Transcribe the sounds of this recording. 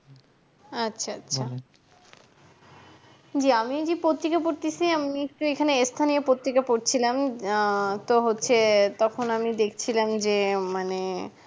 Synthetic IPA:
atːɕʰaatːɕʰa | d͡ʑiamid͡ʑepot̪ɾikapoɾt̪isiamiek̚ʈuekʰaneest̪ʰaniopot̪ɾikapoɾt͡ɕʰilam | t̪oɦotːɕʰet̪ɔkʰonamid̪ekʰt͡ɕʰilamd͡ʑemane

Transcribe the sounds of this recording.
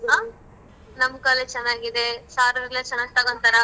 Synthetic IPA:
ɦaː | nɐmkaːlet͡ʃɛnːaːɡid̪esaːɾɐʋlet͡ʃɛnːaːɡ̚t̪ɐɡont̪ɐɾɐ

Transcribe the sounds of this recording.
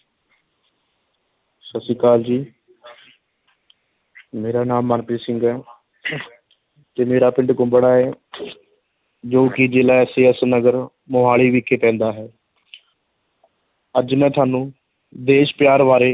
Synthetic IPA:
səsiːkaːld͡ʒiː | meːɾaːnaːmːənpiːsɪŋɡɛː | t̪eːmeːɾaːpɪ̃ɳɖkʊmbəɽaːɦɛː | d͡ʒoːkid͡ʒeːlaːɛːseːəsnəɡəɾ | mʊɦaːɭiːʋiːkʰːeːpɛ̃ːnd̪aːɦɛː | əd͡ʒmɛ̃ːt̪ʰaːnũː | d̪eːʃpjaːɾʋaːɾeː

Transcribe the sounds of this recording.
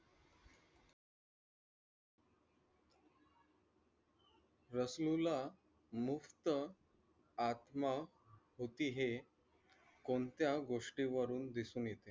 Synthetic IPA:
ɾəslula | muft̪ə | at̪ma | ɦot̪iːɦe | kont̪jaɡoʂʈiʋəɾuːnd̪isuːnjet̪e

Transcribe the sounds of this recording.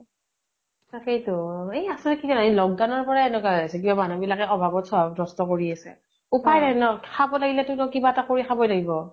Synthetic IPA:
saxejtʊejasɛkitanaɦilɔɡ̚dawnɔɹpɔɹaɛnɛkaasɛk̬ibamanubilakɛɔbʱabɔtsɔbʱadɹɔstɔkoɹiasɛ̰ | upajnajnɔkʰabɔlaɡilɛtʊtɔkibaɛtakoɹikʰabɔjlaɡibɔ

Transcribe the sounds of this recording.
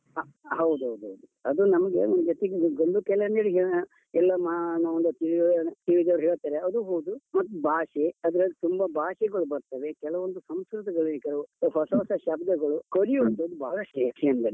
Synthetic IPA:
ɦɐwd̪uɦɐwd̪uɦɐwd̪uɐd̪unɐmɐɡeond̪d͡ʒot̪eɡeɡond̪ukɛlɐɐneɽiɦeɭɐ | ɛlːɐmanɐɐnd̪ɐt̪iʋit̪iʋid̪ɐʋɾɦɛːɭt̪aːɾeɐd̪uɦoːd̪umɐt̪ːubʱaːʃeɐd̪ɐɾɐlːit̪umbɐbʱaːʃɛɡɐɭubɐɾt̪ɐʋekɛlɐʋond̪usɐmskɾut̪̬ɐɡɐɭukɛlɐʋuɦɔsɔːsɐʃɐbd̪ɐɡɐɭukoɾijuɐnt̪ɐd̪ubaːɡɐʃeːkʰɛɐnd̪ɐn

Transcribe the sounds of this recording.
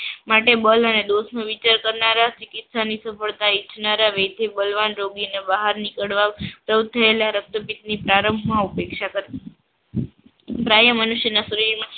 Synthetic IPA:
maʈebələned̪osmãʋit͡ʃaɾkəɾnaɾat͡ʃikɪt̪sanisəfəɭt̪ait͡ʃʰnaɾaʋet̪ʰebəlʋanɾoɡinebəɦaɾnikəɽʋapɾəd̪̚t̪ʰəelaɾək̚t̪əpit̪̚nipɾaɾəmbʱmaupekʃakəɾ | pɾajəmənuʃjənasuɾiɾma

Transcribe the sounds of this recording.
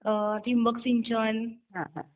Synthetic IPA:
əʈʰimbəksiɲt͡ɕɔnɦãɦã̰

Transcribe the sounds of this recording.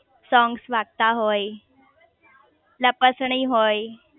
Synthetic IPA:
sɔ̃ŋɡsʋaɡ̚t̪aɦoj | ləpəsɳiːɦoj

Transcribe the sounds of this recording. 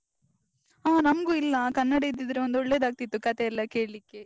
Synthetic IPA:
aːnɐmɐɡuilːɐkɐnːɐɽɐid̪ːid̪ɐɾeond̪ɔɭːeːd̪aːɡ̚t̪it̪ːukɐt̪eɛlːɐke̞ːɭlikːe̞

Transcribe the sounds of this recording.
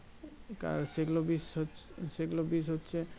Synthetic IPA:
ka̰ɾseɡulobisoseɡulobisɦotːɕʰe

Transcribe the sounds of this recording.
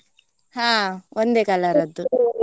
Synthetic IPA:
haːʔond̪eːkɐlaɾɐd̪ːu

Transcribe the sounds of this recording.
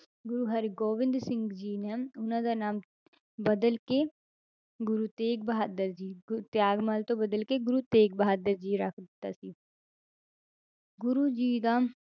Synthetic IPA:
ɡʊɾuɦɐɾɡoːʋɪ̃nd̪sɪ̃ŋɡd͡ʒiːnɛʊnãd̪anaːm | bɐd̪əlke | ɡʊɾut̪eːk̚bɐɦaːd̪əɾd͡ʒiːɡt̪jaːɡmaːlt̪obɐd̪əlkeɡʊɾut̪eːk̚bɐɦaːd̪əɾd͡ʒiːɾɐkʰd̪t̪a̰si | ɡʊɾud͡ʒiːd̪aːm

